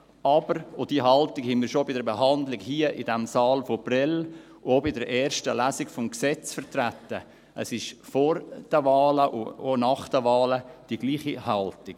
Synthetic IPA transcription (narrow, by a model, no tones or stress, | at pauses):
ɑb̥əɾod̥iːɦɑltɪkhɛnmiːɾʃobɪdəɾbeɦɑndlɪɡhiːəʔɪdɛmsɑːlfoprɛl | ʔobɪdəɾʔɛːɾʃtəlæːsɪɡfɔmksɛt͡sfəɾt̪rætːə | ʔəsɪʃfɔɾd̥əvɑːləʔʊonɑχd̥əvɑːləd̥iɡliːχihɑltɪk